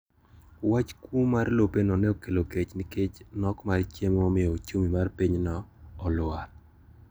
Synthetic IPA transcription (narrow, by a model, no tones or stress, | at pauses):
wat͡ʃkumarlopenɔnɛokeloket͡ʃniket͡ʃnɔkmart͡ʃemomɪɔt͡ʃumimarpiɲnɔːlʊa